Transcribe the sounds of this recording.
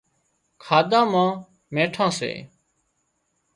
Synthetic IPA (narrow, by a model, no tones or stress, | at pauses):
kʰaːd̪ãːmãː | mẽːʈʰãːsḛː